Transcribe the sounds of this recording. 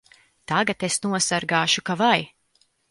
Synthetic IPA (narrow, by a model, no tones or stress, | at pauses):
t̪aɡat̪esnuɔsaɾɡaːʃukavaj